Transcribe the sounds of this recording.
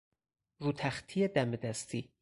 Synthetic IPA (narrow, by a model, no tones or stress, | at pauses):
ɾuːt̪ʰæxt̪ʰijed̪æmed̪æst̪ʰi